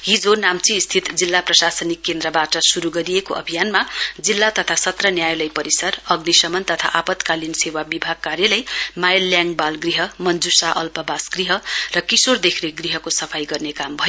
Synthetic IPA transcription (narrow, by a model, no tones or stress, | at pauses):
ɦid͡zonamt͡siːst̪ʰit̪d͡zilːaprʌsasʌnikːend̪rʌbaʈʌsuɾuɡʌɾijekoʔʌ̰bʱijanmad͡zilːat̪ʌt̪ʰasʌt̪rʌnjajlʌjpʌɾisʌrʌɡnisʌmʌnt̪ʌt̪ʰa̰ʔapʌt̪kalinsewabibʱaɡ̚karjʌlʌjmajlːjaŋbalɡriɦʌmʌnd͡zusaʔʌlpʌbasɡriɦʌrʌkisord̪ekʰneɡriɦʌkosʌpʰajɡʌrnekambʱʌjo